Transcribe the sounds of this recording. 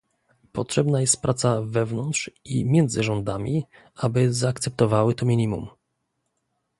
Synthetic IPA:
pɔtʂɛbnajɛst̪̚pɾʔat̪savɛvnɔnt̪ʂḭmʲjɛnd̪zɘʐɔnd̪amʲi | ʔabɘzaːkt̪sɛp̚t̪ɔvawɘt̪ɔmʲiɲʲimum

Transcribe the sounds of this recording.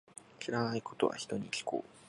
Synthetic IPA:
ɕiɾanaiko̞t̪o̞̰βa̰çi̥t̪o̞ɲ̟ikʲi̥kʰo̰ː

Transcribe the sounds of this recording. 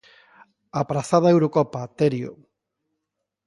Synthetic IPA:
apɾaθaðaewɾokɔpat̪eɾjo̰

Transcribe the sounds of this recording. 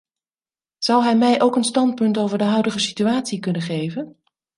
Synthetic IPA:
z̥ʌwɦɛjmɛjʔowkənstɑnt̚pɵntowvəɹdəɦœɥdəχəsityaːtsikɵnəχejvən

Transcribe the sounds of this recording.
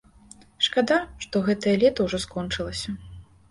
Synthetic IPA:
ʂkad̪aʂt̪ɔɣɛt̪ɐjɐlʲɛt̪ɐwʐɔskɔnt͡ʂɨlˠɐsʲɐ

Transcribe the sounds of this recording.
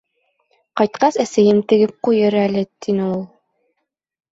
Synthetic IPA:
qɑjt̪̚qɑsæsæjɘmt̪ɘ̆ɡɘp̚qujɤɾælɘt̪inɘulˠ

